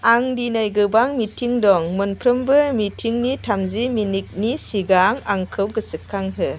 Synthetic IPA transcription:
aŋdinajɡɯbaŋmitʰiŋdɔŋmɔnpʰɾɯmbɯmitʰiŋnitʰamziminik̚nisiɡaŋaŋkʰɯwɡɯsɯkʰːaŋɦɯ

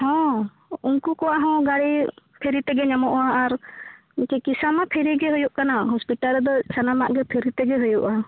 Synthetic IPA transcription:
hɔ̃ | unkukɔwaʔɦɔ̃ɡaɾipʰiɾit̪ɛɡɛɲamɔʔɔaːɾ | kɛkisamapʰiɾiɡɛɦujuʔkanaɦɔspiʈaɾd̪ɔsanamaʔɡɛpʰiɾit̪ɛɡɛɦujuʔa

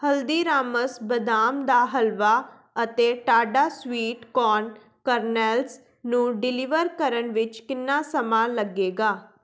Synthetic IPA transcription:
həld̪iːɾaːməsbəd̪aːmd̪aːɦəlʋaː | ət̪eːʈaːɖaːswiːʈkɔːn | kəɾnɛːls | nũːɖɪlɪʋəɾkəɾənʋɪt͡ʃkɪnːaːsəmaːləɡeːɡaː

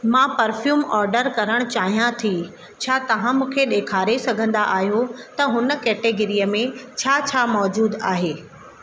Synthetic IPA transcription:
mãːpɐɾfjuːmɔːɾɖəɾkɐɾəɽ̃ʊt͡ɕaːɦijãt̪ʰi | t͡ɕʰaːt̪ɐʋ̤ãmũːkʰeɗeːkʰaːɾesɐɡʱə̃nd̪aʔaːɦijot̪ɐɦʊnə̆kɛːʈeɡɪɾijəmẽt͡ɕʰaːt͡ɕʰaːmɔːd͡ʑuːd̪aːɦeː

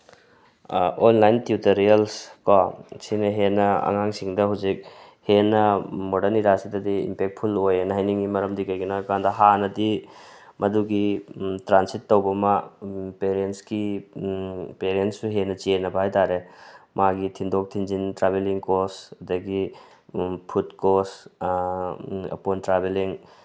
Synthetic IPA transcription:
onlajntjutɐɾiɐlskasinɐɦenɐɐ̰ŋaŋsiŋdɐɦawzik̚ | henɐmodɐɾniɾasidɐd̪ḭːmpek̚t̚pʰulojenɐɦajniŋimɐɾɐmdikɐjɡinɐkandɐɦanɐdimʔɐduɡitɾansitːɐwbɐmɐpeɾensɡi | peɾenssuɦenɐt͡ʃienɐbɐɦajtaɾemaɡitʰindok̚tʰind͡ʒintɾabeliŋkosdɐɡi | pʰutkos | ɐ̰pontɾabeliŋ

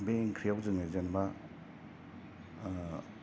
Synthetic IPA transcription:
beŋkʰɾijawzɯŋajzanba

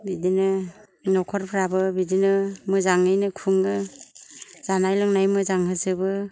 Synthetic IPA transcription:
bidinɯ | nɔkʰɔɾpʰɾabɯbidinɯmɯzaŋɯjnɯkʰuŋːɯ | z̥anajlɔŋnajmɯzaŋɦɯzɯbɯ

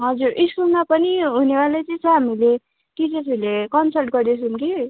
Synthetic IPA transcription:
ɦʌd͡zuɾʔiskulmapʌniɦunewalejt͡sʌ̃t͡sʰʌɦamile | kid͡zʌsilekʌnsʌlʈɡʌɾd̪et͡sʰumki

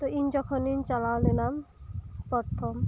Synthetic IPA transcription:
t̪oind͡ʑɔkʰonint͡ɕalawlenampɾɔɾt̪ʰːom

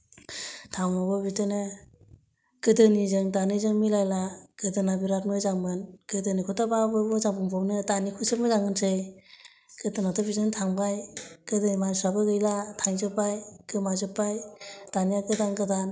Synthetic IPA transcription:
tʰawabɯbitɯnɯ | kɯdɯnizɯŋtanɯzɯŋmilajlakɯdɯnabiɾat̚nɯjzaŋmɯnkɯdɯnikʰɔtababɯbɯzaŋbuŋpʰawnɯtanikʰusɯp̚mɯzaŋɯnsʰɯj | kɯdɯnatʰɯbizɯŋtʰaŋbajkɯdɯnimansabɯɡɯjlatʰaŋzɯpːajkɯmazɯpːajtanijakɯdanɡɯdan

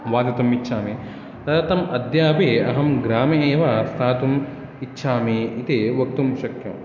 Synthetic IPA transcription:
ʋaːd̪ɐt̪ɐmitːʃʰaːmi | t̪ɐt̪ːt̪ɐmɐd̪jaːpiɐɦɐmɡɾaːmeeːʋast̪ʰaːt̪um | itːʃʰaːmiit̪iʋɐk̚t̪umʃɐkjɐm

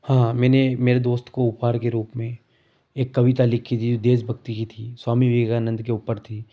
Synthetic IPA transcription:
hãːmɛ̃ːnemeːɾed̪oːst̪koʊpaːɾkeɾuːpmẽ | eːkːɐʋɪt̪alɪkʰːit̪ʰid͡ʒod̪eːs̬bʱɐk̚t̪ikit̪ʰiːswaːmiʋɪɡaːnə̃nd̪keuːpəɾt̪ʰiː

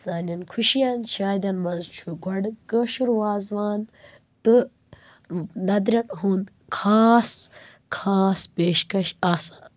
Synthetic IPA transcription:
zaːnɐnkʰuʃijant͡ʃʰaːd̪ɐnmɐnzt͡ʃʰuɡʱɐɽɡɐʃuɾwaːzʋaːn | t̪ɨ | nɐd̪ɾʲɐʈɦund̪ | kʰaːs | kʰaːspeːʃkɐʃaːsa

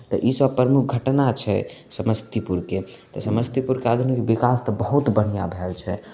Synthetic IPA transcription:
t̪ɔ̰ʔisəbpːɾəmuk̚ʰɡʱəʈnat͡ʃʰɛ̰səməst̪ipuɾke | t̪ɔsəməst̪ipuɾkead̪ʱunikebikast̪əbəɦut̪bəɽ̤ijabʱɛlt͡ʃʰɛ

